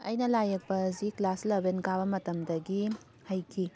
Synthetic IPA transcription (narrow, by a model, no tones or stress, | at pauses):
ɐ̰jnɐlajɐk̚pɐziklaslɐbenkabɐmɐtɐmdɐɡi | hɐjkʰi